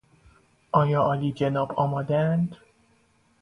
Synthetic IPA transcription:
ɒjɒʔɒlid͡ʒenɒbɒmɒd̪ænd̪

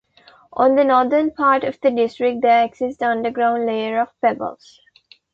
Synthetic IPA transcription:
ʔɔ̃ːnd̪ənɔːd̪əɾnpʰaːɾʈɔʋd̪əɖɪsʈɾɪk̚ʈ̚d̪eeɡsɪsʈʌ̃nɖəɡɾãʊ̃ɳɖleɪəɾɔʋpɛbə̰ls

